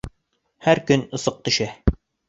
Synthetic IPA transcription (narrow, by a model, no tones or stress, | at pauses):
hæɾkɵnɤ̆sɤq̚t̪ɵ̆ʃæ